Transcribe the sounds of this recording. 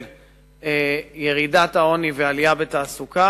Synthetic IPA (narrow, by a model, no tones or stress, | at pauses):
l | ejeʁidat̪ao̞nivealijabet̪aːsuka